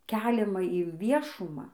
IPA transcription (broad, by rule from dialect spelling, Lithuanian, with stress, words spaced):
ˈkʲæːlʲɛmɐ ɪnʲˈʋʲiɛʃʊmɑː